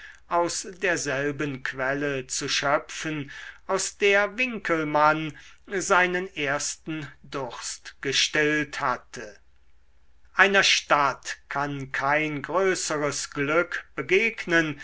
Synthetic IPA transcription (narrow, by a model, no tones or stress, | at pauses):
ʔaʊsdeːɐzɛlbənkv̥ɛlət͡suʃœpfənʔaʊsd̥eːɐvɪŋkʰəlmanzaɪnəneːɐstn̩dʊχstɡ̥əʃtɪlthatʰə | ʔaɪnɐʃtatkʰankʰaɪnɡʁøːsəʁəsɡ̥lʏkb̥əɡeːknən